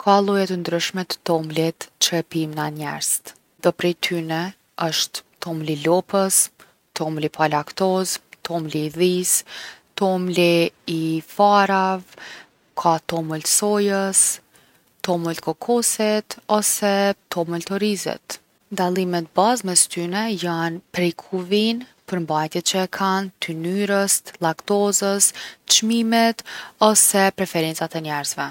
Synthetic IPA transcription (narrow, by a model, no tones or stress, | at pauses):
kʰalˠujɛt̪ənd̪ɾyʃmɛt̪t̪ɔmlit̪t͡ʃɾɛpimnaɲɛ̰ɾz̥t̪ | d̪ɔpɾɛjt̪ʰynɛ | əʃt̪ː | ɔmlilɔpəs | t̪ɔmlipʰalakt̪ɔzt̪ʰɔmliːðist̪ɔmliː | faɾav | kʰat̪ɔməlsɔjəs | t̪ɔməlt̪kʰɔkʰɔsɛt̪ɔsɛt̪ɔməlt̪ɔɾizɛ̰t̪ | nd̪alˠimɛt̪̚bazmɛst̪ynɛjanpɾɛjkʰuvinpəɾmbajt̪jɛt̪̚t͡ʃəkʰant̪ʰynyɾəslˠakt̪ɔzəst͡ʃmimɛt̪ɔsɛpɾɛfɛɾɛnt͡sat̪ɛɲɛɾzvɛ